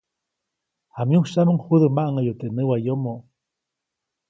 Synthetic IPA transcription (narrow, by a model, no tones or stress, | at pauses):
hamjuʃaməŋhuðəmaʔŋəjot̪eʔnəwajomoʔ